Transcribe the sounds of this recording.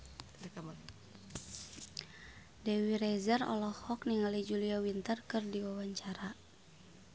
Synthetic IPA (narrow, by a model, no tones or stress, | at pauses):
dɛwiɾɛzərɔ̰lɔhhɔk̚niŋalid͡ʒuliawint̪ərkɨrdiwawaɲt͡ʃaɾa